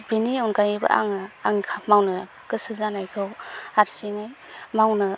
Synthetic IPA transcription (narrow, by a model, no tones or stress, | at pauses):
biniaunkajibɯ̰ʔa̰ŋaaŋkʰamawnɯ | kɯsɯzanajkʰɯwaɾsiŋaj | mawnɯ